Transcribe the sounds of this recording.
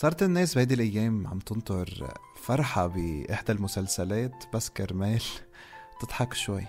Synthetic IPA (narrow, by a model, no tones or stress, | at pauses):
sˤɑːɾˤɑt̪ɪnːæːsbhæːd̪ilʔajːæːmʕa̰mt̪ɪnt̪ˤʊɾˤ | fɑɾˤħɑbɪʔɪħd̪almʊsælsælæːt̪baskɑɾˤmæːl | t̪ɪt̪ˤħɑkʃwajː